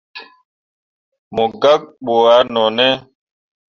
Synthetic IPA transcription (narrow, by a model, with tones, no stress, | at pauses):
mɔ˨ɡa˦k̚ɓo˨a˨˦nɔ˨nɛ˦